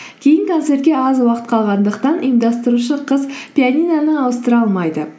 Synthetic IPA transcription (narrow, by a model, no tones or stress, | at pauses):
kʲʰe̞jɪnt̪ʰɑnsɪɾɡʲe̞ɑzwɑqə̥t̪̚qʰɑlˠʁɑnd̪əqt̪ɑnʔḭjmd̪ɑst̪əɾuʃ̬əqʰəzpʲijanʲijnanəɑwəst̪əɾɑlˠmɑjd̪ə